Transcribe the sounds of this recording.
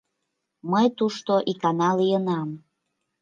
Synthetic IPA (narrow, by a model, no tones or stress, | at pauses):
məjt̪uʃt̪oʔikɑnɑlijənɑm